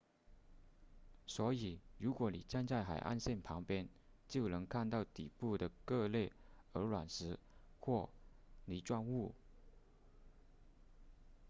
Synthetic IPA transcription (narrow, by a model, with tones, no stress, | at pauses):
swɔ˧˥i˨˩ɻu˧˥kwɔ˧˥nḭ˨˩ʈ͡ʂa˥˧nt͡sa˥˩ɪxa˨˩ɪʔa̰˥˧nɕjɛ˥˩npʰɑ˧˥ŋpjɛ˥n | t͡ɕjo˥˩ʊnɤ˧˥ŋkʰa˥˧nt̪ɑ˥˩ʊt̪ḭ˨˩pu˥˩d̪ə˩kɤ˥˧le˥˩ɪə˞˧˥lwa˨˩nʂɻ̩˧˥xwɔ˥˩ni˨˩ʈ͡ʂwa˥˧nu˥˩